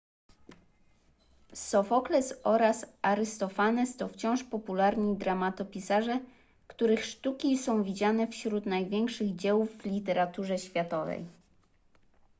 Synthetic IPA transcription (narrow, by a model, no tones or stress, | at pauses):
sɔfɔklɛsɔɾasaɾɘst̪ɔfanɛst̪ɔft͡ɕɔ̃w̃ʂpɔpulaɾɲid̪ɾamat̪ɔpʲisaʐɛ | kt̪uɾɘxʂt̪ukʲisɔ̃w̃vʲid͡ʑanɛfɕɾut̪najvʲjɛŋkʂɘɣd͡ʑɛwuvːlʲit̪ɛɾat̪uʐɛɕfʲjat̪ɔvɛ̰j